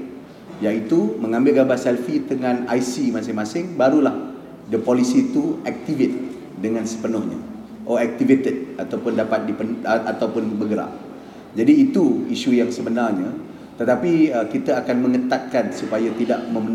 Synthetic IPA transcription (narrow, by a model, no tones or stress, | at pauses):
jait̪umə̃ŋãmbɪlɡabasɛlfit̪əŋãnajsimasɪŋmasɪŋbaɾulah | dəpolisit̪uɛk̚t̪ivet̪̚ | dəŋãnsə̥pənʊhɲa̰ | ʔɔɛk̚t̪ivet̪əd̚at̪awpʊndapat̪̚dipənat̪awpʊnbəɡəɾa̰ʔ̚ | d͡ʒadiːt̪uiʃujaŋsəbənarɲa | t̪ət̪apiəkit̪aakanməŋət̪at̪̚kansupajat̪idaʔmə̃mən